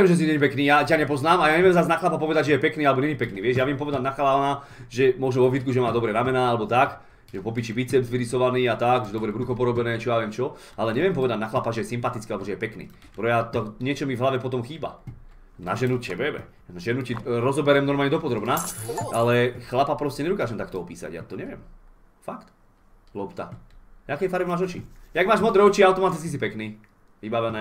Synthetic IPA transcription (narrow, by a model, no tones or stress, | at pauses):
jɛmʒɛs̬iɲɛɲɛpɛkniːjacaɲɛpɔznaːmajaɲɛʋɛmzaznaxlapapɔʋɛd̪aɟʒɛjɛpɛkniːalɛbɔɲɛɲɛpɛkniːʋɪɛʒjaʋɪɛmpɔʋɛd̪aɟnaxalaana | ʒɛmɔʒnɔʋɔvɦit̪kuʒɛmaːd̪ɔbɾɛɾamɛnaːalɛbɔt̪ak | ʒɛpɔp̬it͡ʃibit͡sɛbzʋiɾisɔʋaniːat̪aɡʒɛd̪ɔbɾɛbɾuxɔpɔɾɔbɛnɛːt͡ʃɔjaʋɛmt͡ʃɔ | alɛɲɛʋɪɛmpɔʋɛd̪aɟnaxlapaʒɛjɛsimpat̪it͡skialɛbɔʒɛjɛpɛknḭː | pɾɔjat̪ɔɲɪɛt͡ʃɔmivɦlaʋɛpɔt̪ɔmxiːba̰ | na̰ʒɛnucɛbɛbɛ̰ | ʒɛnuciɾɔzɔbɛɾɛmnɔɾmalɲɛd̪ɔpɔd̪ɾɔbnaʔalɛxlapapɾɔscɛɲɛd̪ukaːʒɛmt̪akt̪ɔɔpiːsa̰ɟja̰t̪ɔɲɛʋɪɛ̰m | fakt̪ | lɔpt̪aakɛjfaɾbimaːʒɔt͡ʃḭjaɡmaːʒmɔd̪ɾɛɔt͡ʃiawt̪ɔmat̪it͡skis̬ipɛkniː | ʋibaʋɛnɛː